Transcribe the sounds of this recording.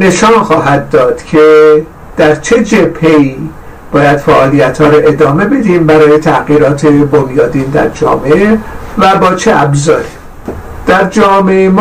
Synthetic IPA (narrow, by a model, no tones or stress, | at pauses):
ne̞ʃɒːnxɒːɦæd̪ːɒːd̪̥cʰe̞ | d̪̥æɾt͡ʃʰe̞d͡ʒebhe̞iː | b̥ɒːjæd̪̥fæʔɒːlijæt̪hɒːɾoʔe̞d̪ɒːme̞be̞d̪iːmbæɾɒːje̞t̪ʰæɣiːɾɒːt̪ʰe̞bonjɒːd̪iːnd̪æ̰ɾd͡ʒɒ̰ːmeevæbɒːt͡ʃʰeʔæbzɒːɾi | d̪̥æɾd͡ʒɒːmeem